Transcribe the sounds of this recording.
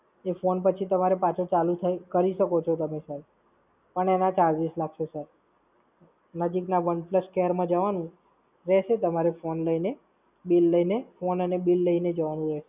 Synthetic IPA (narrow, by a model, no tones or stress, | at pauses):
efonpət͡ʃʰit̪əmaɾepat͡ʃʰõt͡ʃalut̪ʰakəɾiʃəkot͡ʃʰot̪əmesəɾ | pəɳenãt͡ʃalʋislaɡʃosəɾ | nəd͡ʒiknaʋənpləskeəɾmãd͡ʒəʋanũ | ɾɛʃet̪əmaɾefonləine | bilːəinefonənebilːəined͡ʒəʋanũɾɛʃe